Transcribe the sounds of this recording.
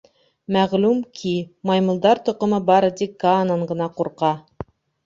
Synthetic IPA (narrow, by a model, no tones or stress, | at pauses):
mæʁlʉmkʰimɑjmɤ̆lˠd̪ɑɾt̪ŏqɤ̆mɤbɑɾɤd̪ikːaːnɑɴɢɤ̆nɑquɾqɑ